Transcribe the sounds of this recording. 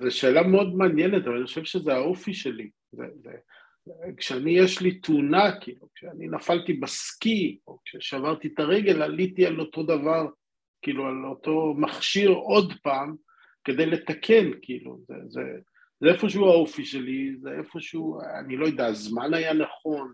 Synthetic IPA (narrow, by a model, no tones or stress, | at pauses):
zeʃe̞ːlameo̞d̪meanjenet̪avaaniχoʃevʃezeaofiʃe̞li | zḛzḛ | kʃeanijeʃlit̪unakiːlukʃeaninafaltibaskio̞kʃeʃavaʁt̪it̪aʁe̞ɡe̞lalit̪ialo̞to̞d̪avaʁ | kiːlualot̪o̞maχʃiʁo̞dpaːm | ke̞d̪ejle̞t̪akʰe̞nkʰiilṵzḛzḛ | zeefo̞ʃ̬euaofiʃe̞lizeʔefo̞ʃeua̰nilo̞jod̪azmanajanaχo̞n